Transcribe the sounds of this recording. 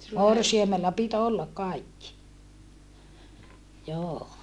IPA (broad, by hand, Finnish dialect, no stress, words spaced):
morsiɑmelːɑ pit olːɑkʔ kɑikːi joː